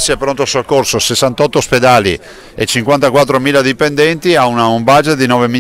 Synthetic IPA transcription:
siɛpɾont̪oasoakːorsosesːant̪ɔt̪ːosped̪aːlḭ | et͡ʃiŋkwant̪akwat̪̬ːɾomiːlad̪ipend̪ɛnt̪iaunaumbad͡ʒet̪̚d̪inɔːvemi

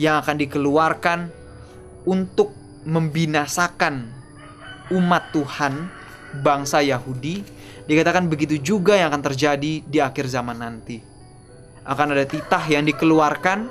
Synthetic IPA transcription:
jaŋakandikəluarkan | unt̪ʊk̚ | məmbinasakan | umat̪ːuhan | baŋsajaɦudi | dikat̪akanbəɡit̪̬ud͡ʒuɡajaŋakant̪ərd͡ʒadidiakɪrzamanːant̪i | ʔakanadat̪it̪ahjaŋdikəluarkan

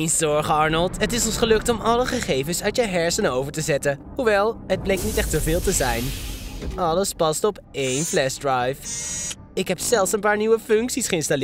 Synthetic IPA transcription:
nsɔɹχəɑɹnəlˠtɦətɪsɔnsχəlɵk̚tɔmʔɑləχəχejvənsœɥtjəɦɛɹsənəowvəɹtəzɛtə | huʋɛlˠɦəd̚blejk̚tnitɛχtsəvɪːlˠtəzɛjnʔɑləspɑstɔp | ejnflɛsdrajf | ɪkɦɛpsɛlˠsənpaːɹniʋəfɵŋksisχəɪnstalɪ

